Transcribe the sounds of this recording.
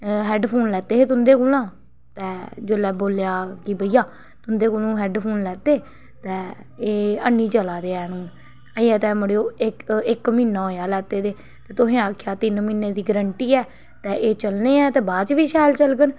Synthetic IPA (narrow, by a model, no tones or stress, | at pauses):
ɦɛːɖpʰoːnlɛːt̪eːeːt̪ʊnd̪eːkoːlãː | t̪ɛːd͡ʒoːlɛːboːljaːkibəijaː | t̪ʊnd̪eːkoːlũːɦɛːɖpʰoːnlɛːt̪eː | t̪ɛ̃ː | eːənːiːt͡ʃəlaːd̪eːɛːnũːn | əːɛːt̪ɛ̃ːməɽeːoːɪkɪkmĩːnãːɦoːjaːlɛːt̪eːd̪eː | t̪ɛ̃ːt̪ʊsẽːaːkʰjaːt̪ɪnmiːneːd̪iːɡəɾəɳʈiːɛː | t̪ɛ̃ːʔeːt͡ʃəlneːɛːt̪ɛːbaːt͡ʃʋiːʃaːlt͡ʃəlɡən